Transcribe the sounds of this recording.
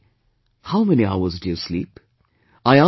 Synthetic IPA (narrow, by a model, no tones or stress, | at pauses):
haʊmɛniaʊəzdɨjəslip | aɪa